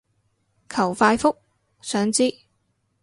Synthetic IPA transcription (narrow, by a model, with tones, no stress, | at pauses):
kʰɐ˨˩wfaː˧jfʊ˥k̚ | sœː˨˥ŋt͡siː˥